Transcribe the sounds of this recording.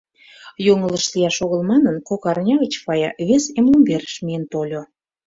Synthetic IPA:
joŋə̆ləʃlijɑʃoɣəlmɑnənkokɑrnʲɑɣət͡ɕfɑjɑβesemlumbeɾə̥ʃmijent̪olʲo

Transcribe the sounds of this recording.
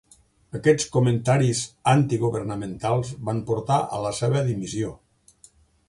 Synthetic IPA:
əkɛt͡skument̪aɾizant̪iɣuβəɾnəmẽnt̪alˠzβampuɾt̪aʔə̰ləseβəðimizio

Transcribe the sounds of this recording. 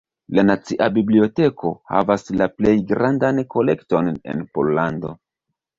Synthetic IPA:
lanat͡siʔabiblio̞te̞kʰo̞ha̰vaslaple̞jɡɾandanko̞le̞̰kto̞ne̞̰npo̞̰llando̞̰

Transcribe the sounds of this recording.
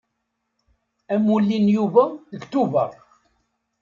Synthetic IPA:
æmulːinjuvæðəɡt̪uvæ

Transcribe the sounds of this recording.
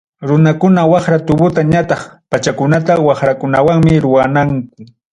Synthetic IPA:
ɾʊnakʊnawɑχɾat̪ʊbʊt̪aɲat̪ɑχpat͡ʃakʊnat̪awɑχɾakʊnawaŋmɪɾʊwanaŋk̚ʊ

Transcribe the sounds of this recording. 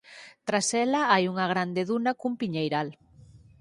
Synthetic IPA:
t̪ɾasɛlaajuŋaɣ̞ɾand̪eðunakumpiɲejɾal

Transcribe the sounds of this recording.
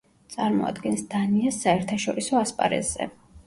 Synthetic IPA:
t̪sʼaɾmɔ̰a̰d̪ɡɛnsd̪̥aniasːaɛɾt̪ʰaʃɔɾisɔaspʼa̰ɾɛ̰z̥ɛ̰

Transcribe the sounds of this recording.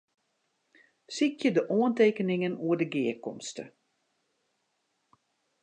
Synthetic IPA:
sikjədəʔoənteːkənɪŋənuədəɡɪːəkɔmstə̰

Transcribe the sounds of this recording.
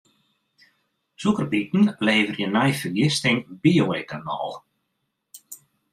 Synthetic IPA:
sukəɾbit̪n̩lejvʏɾjɛnajfɪɣlɪst̪ejnbiowejkanɔ̰l

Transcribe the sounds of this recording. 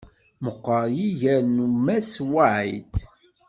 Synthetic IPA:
məqːəɾˤjiʝæɾnumæswaʕit̪

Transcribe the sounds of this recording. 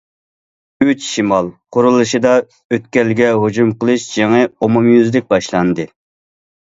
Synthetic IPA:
yt͡ʃʃimɑlˠqʊɾɨlˠɨʃɨd̪ɑ | øt̪̚kʲɛlɪɡʲɛɦod͡ʒumqəlˠɨʃd͡ʒeŋɨomumjyzlɪk̚ʲbɑʃlˠɑnd̪ɨ

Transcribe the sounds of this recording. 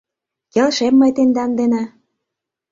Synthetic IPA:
kĕlʃemːɤjt̪end̪ɑnd̪enɑ

